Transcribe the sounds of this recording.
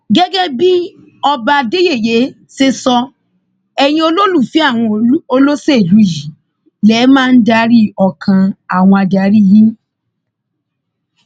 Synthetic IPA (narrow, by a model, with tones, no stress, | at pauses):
ɡɛ˦ɡɛ˦bi˦ | ɔ˧ba˧de˦je˦˨je˨˦ | se˧sɔ˧ | ɛ˨j̃ĩ˧˦o˧lo˦lu˦˨fi˨˦a˦˨w̃ɔ̃˧˦o˧lo˦se˦i˨lu˨˦i˦˨ji˨˦ | lɛ˨˦mãː˦n̩˦da˧˦ɾi˦ɔ˧˨kʰã˧a˦˨w̃ɔ̃˧a˧da˨˦ɾi˦˨jĩ˦